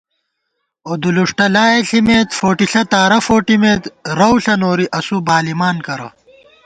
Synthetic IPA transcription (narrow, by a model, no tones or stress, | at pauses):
od̪uluʂʈɐlaːeɬimeːt̪foːʈiɬɐt̪aːɾɐfoːʈimeːt̪ɾɐwɬɐnoːɾiʔɐsubaːlimaːnkɐɾɐ̰